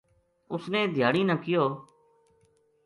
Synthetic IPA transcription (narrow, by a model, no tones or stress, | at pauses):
ʊsneːd̪ʱjaːɽiːnəːkɪjoː